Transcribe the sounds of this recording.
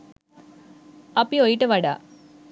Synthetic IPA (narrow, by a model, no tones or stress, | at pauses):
ɐpːiojiʈːɨʋɐɽa̰